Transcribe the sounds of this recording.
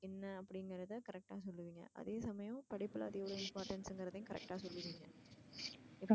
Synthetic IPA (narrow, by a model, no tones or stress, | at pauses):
ɛnːɐɐpːɐɽɪŋɡɾɐðɯkɐɾɛk̚ʈaːsɔlːɯʋiːŋɡɐ̰ʔɐ̰ðeːsɐmɐjʊ̃pɐɽɪpːɯlɐ̰ɐðɛʋɐɭoːɪmpaːɾʈɐnsɛŋɡɪɾɐðɐj̃kɐɾɛ̰k̚ʈaːsɔlːɯʋiːŋɡɐ | ɪpː